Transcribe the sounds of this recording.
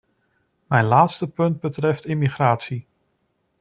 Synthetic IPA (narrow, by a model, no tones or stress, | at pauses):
mɛjnlaːtstəpɵnd̚bətrɛftɪmiχraːtsi